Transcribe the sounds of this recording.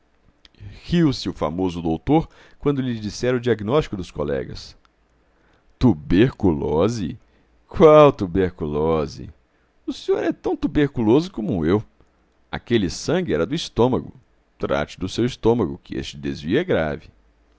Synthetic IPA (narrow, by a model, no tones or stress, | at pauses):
hiwsɪʊfa̰mozʊd̪owt̪oɾ | kwɐ̃nd̪ʊlɪd͡ʒisɛɾɐʊd͡ʒiaɡinɔʃt͡ʃi̥kʊd̪ʊskolɛ̰ɡɐ̰s | t̪ubeɾkulɔzɪ | kwawt̪ubeɾkulɔzɪ̰ | ʊsẽɲoɾɛt̪ɐ̃w̃t̪ubeɾkulozʊkõmʊew | a̰kelɪsɐ̃ɡɪɛɾɐd̪ʊist̪õmɐɡʊ̰ | t̪ɾa̰t͡ʃɪd̪ʊsewist̪õmɐɡʊkɪḛst͡ʃɪd̪ezviʊɛɡɾa̰vɪ